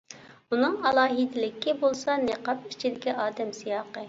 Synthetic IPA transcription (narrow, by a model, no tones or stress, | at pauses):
unɨŋɑlˠɑːɦit̪ɪlɪkʲːibolˠsɑneqɑp̚it͡ʃʰid̪ɪkʲɛɑːd̪ɛmsijɑːqə